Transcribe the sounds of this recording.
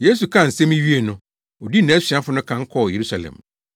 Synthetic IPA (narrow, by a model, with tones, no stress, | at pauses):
je˦s̬u˨kʰã˦˨n̩˨sɛ˦mĩ˦ɥi˦e˨nʊ̃˦ | o˨di˦nã˨˦ɕi˨a˦fʊ˦nʊ̃˦kʰã˦ŋ̩˦kʰɔ˦˨je˨ɾu˦sa˨lɛ̰̃˨m